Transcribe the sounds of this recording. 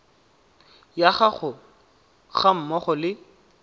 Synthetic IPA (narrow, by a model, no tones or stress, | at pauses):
jaχaχʊ | χam̩mɔχʊlɪ